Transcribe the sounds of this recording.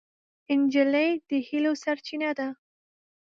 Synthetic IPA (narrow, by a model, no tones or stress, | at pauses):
ɪnd͡ʒɪləjd̪̥əhilosaɾt͡ʃinad̪a